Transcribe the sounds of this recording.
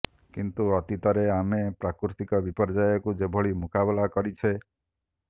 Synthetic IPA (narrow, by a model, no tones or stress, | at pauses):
kint̪uɔt̪it̪ɔɾeamepɾakɾuɾst̪ikɔbipɔɾd͡ʒajɔkud͡ʒebʱɔɭimukabelakɔɾit͡ʃʰe